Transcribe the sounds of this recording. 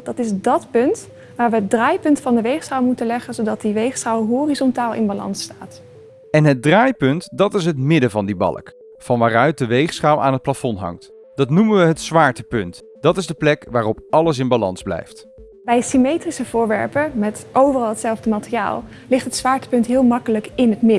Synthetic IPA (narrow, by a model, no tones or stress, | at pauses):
dɑtɪzdɑtpɵnt | ʋaːɹʋəɦət̚draːjpɵntfɑndəʋejχsχawˠmutənlɛχənzowdɑt̚diʋejχsχawɦoːrizɔntaːlˠʔɪ̰nbalɑ̰nstaːt | ɛnɦət̚draːjpɵntdɑtɪs̬ɦətmɪdəvɑndibɑ̰lˠə̰k | fɑnʋaːrœɥt̚dəʋejχsχawʔa̰ːnɦət̚plafɔnɦɑ̰ŋt | d̥ɑtnumənʋəɦətsʋaːɹtəpɵnt | d̥ɑtɪzdəplɛkʋaːrɔpʔɑləs̬ɪnbalɑnzblɛ̰jft | bɛjsimejtrisəv̥ʊːɹʋɛ̰ɹpəmɛtʔowvərɑlˠɦətsɛlˠvdəmaːtəria̰ːlˠ | lɪχtɦətsʋaːɹtə̥pɵntɦɪːlˠmɑkələkɪnɦətmɪ